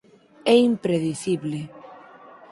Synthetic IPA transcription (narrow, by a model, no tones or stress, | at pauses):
ɛimpɾeðiθiβle